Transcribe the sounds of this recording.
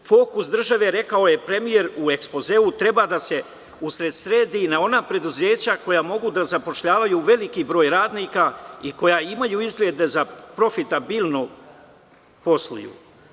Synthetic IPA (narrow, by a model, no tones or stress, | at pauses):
fo̞kusd̪r̩ʒaʋe̞ɾe̞kao̞je̞pɾe̞mije̞ɾue̞kspo̞ze̞ut̪ɾe̞baːd̪ase̞ | usɾe̞d̪sɾeːd̪iːnao̞napɾe̞d̪uzeːt͡ɕako̞jaːmo̞ɡud̪azapo̞ʃʎaːʋajuːʋe̞likibɾo̞ːjɾaːd̪niːkaiko̞jaimajuːizɡlʲe̞d̪e̞zapɾo̞fit̪abiːlˠno | po̞slˠṵjṵ